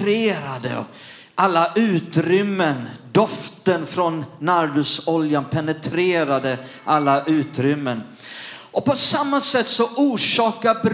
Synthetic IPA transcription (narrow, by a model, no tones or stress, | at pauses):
ɾeːɾad̪ə̰ | ʔalːaʔʉ̟ːt̪ɾʏmːənd̪ɔft̪ənfɾɔnːaɾd̪ɵsɔljanpʰɛnət̪ʰɾeːɾad̪ə | ʔalːaʔʉ̟ːt̪ɾʏmːən | ʔɔpɔsamːasɛt̪ːsɔʔuːʂɑːkabɾ